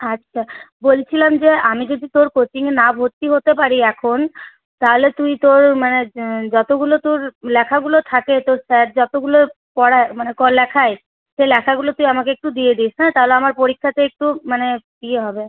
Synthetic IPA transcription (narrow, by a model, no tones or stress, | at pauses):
atːɕʰabolt͡ɕʰilamd͡ʑeamid͡ʑod̪it̪oɾkot͡ɕiŋenabʱoɾt̪ːiɦot̪epaɾiɛkʰon | t̪aɦolet̪ujt̪oɾmaned͡ʑɔt̪oɡulot̪oɾlɛkʰaɡulot̪ʰaket̪oɾsɛʈ̚d͡ʑɔt̪oɡulo | pɔɽaemanekɔlɛkʰae | ʃelɛkʰaɡulot̪ujamakeek̚ʈud̪ied̪iʃnat̪aɦoleamaɾpoɾikʰːat̪eek̚ʈumaned̪ieɦɔbe